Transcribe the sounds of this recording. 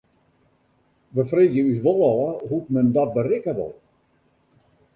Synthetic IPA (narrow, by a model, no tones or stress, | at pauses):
ʋəfreːkjəysʋɔlˠɔːəɦutmɛndɔt̚bərɪkəʋɔ̰lˠ